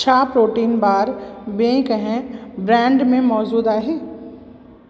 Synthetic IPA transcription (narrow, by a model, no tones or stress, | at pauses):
t͡ʃʰaːpɾoːʈiːnbaːɾbẽːkəɦɛ̃bɾɛ̃ːɳɖmẽmɔːd͡ʒuːd̪aːɦeː